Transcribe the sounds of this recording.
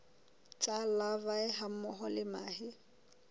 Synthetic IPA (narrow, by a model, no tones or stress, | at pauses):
t͡sʼalavaɪɦam̩mɔχɔlɪma̰ːhɪ